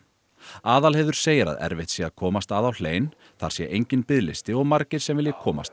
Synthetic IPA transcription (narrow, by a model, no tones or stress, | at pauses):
aːðalhɛvðʏɾ̥seːjɾa̰ðɛ̰ɾvɪht̪sjɛakʰɔːmast̪aðawl̥eːjn | θa̰ɾ̥sjɛ̰ʔejɲcɪnpɪðlɪst̪ɪɔɣmaɾcɪɾ̥sɛmvɪljɪkʰɔːma̰st̪